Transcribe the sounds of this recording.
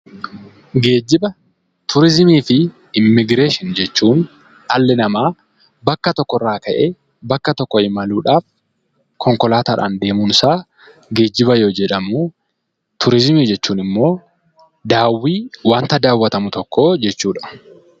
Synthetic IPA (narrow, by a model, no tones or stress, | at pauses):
ɡe̞ːd͡ʒːɪbɐ | t̪ʰʊɾɪzɪmiːfɪ | ɪmːɪɡɾe̞ːʃɪnd͡ʒɛt͡ʃːuːn | ᶑɐlːɛnɐmaː | bɐkːɐt̪ɔkːɔrːaːkɐʔeː | bɐkːɐt̪ɔkːɔɪmɐluːᶑaːf | kʰɔŋkɔlaːt̪ɐːᶑa̰ːnd̪e̞ːmuːnsaː | ɡe̞ːd͡ʒːɪbɐjoːd͡ʒɛᶑɐmu | t̪ʰʊɾɪzmiːd͡ʒɛt͡ʃːuːnɪmːo̞ː | d̪aːwːiːwaːnt̪ɐd̪aːwːɐt̪ɐmʊt̪ɔkːo̞ːd͡ʒɛt͡ʃːuːᶑɐ̥